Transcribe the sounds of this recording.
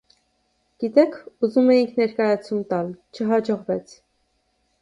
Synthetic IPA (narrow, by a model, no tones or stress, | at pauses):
ɡ̥it̪ɛkʰuzumɛjiŋkʰnɛɾkɑjɑt͡sʰumt̪ɑlt͡ʃʰəɦɑd͡ʒɔʁvɛt͡sʰ